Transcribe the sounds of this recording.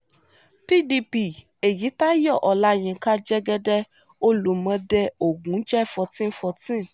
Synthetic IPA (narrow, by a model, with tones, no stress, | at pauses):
pi˦di˧pi˨ | e˨ji˨˦ta˦jɔ˦˨ʔɔ˨la˦j̃ĩ˧ka˦d͡ʒɛ˦ɡɛ˧dɛ˦ | o˦lu˨˦mã˧dɛ˧o˨ɡũ˨˦d͡ʒɛ˦˨fɔ˧tĩ˦fɔ˧tĩ˦˨